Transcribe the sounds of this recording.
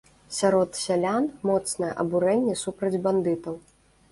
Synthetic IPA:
sʲaɾɔt̪sʲalʲanmɔt̪snɐjɐ̰ʔɐbuɾɛnʲːɛsupɾɐd͡zʲband̪ɨt̪ɐw

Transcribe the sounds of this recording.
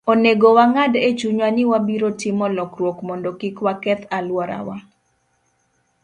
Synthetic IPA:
oneɡowaŋadet͡ʃuɲwanɪwabiɾotɪmɔlɔkɾwokmɔndokikwakɛt̪alwɔɾa̰wa

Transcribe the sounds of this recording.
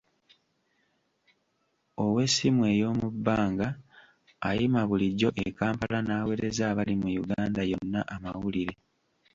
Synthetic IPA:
o̞we̞simwe̞ːjo̞ːmubːaːŋɡaː | jimaβuliɟːo̞ʔekaːmpalanaːwe̞ɾe̞zaːβalimujuɡaːndajo̞nːaʔamawuliɾe

